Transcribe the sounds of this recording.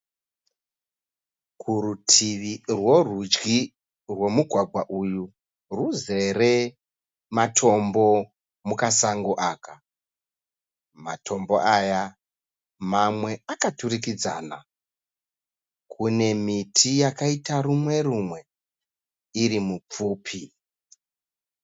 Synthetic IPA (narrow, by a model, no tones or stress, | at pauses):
kʰuɾutʰiʋirwo̞rud͡ʒɡi | rwo̞muɡʱwaɡʱwaʔuju | ruze̞re̞ | matʰo̞mbo̞ | mukasaŋɡoʔaːka | ma̰tʰo̞mbo̞̰ʔaja | mamwe̞akaturikid͡za̰ːna̰ | kʰune̞mitʰijakaitarumwe̞rumwe̞ | iɾimup͡fuːpʰi